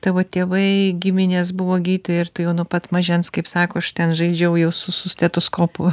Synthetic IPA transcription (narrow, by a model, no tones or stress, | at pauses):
t̪ɑʋoːt̪ʲeːʋɐɪɡʲɪmʲɪnʲeːs̬bʊʋoːɡʲiːt̪ʲʊjɪrt̪ʊjɛʊnʊːpɐt̪mɐʒʲɛnskɐɪpsɑːkoːɐʃt̪ʲɛnʒɐɪd͡ʒʲɛʊjɛʊsʊsʊsʲt̪ʲɛt̪oːskoːpʊ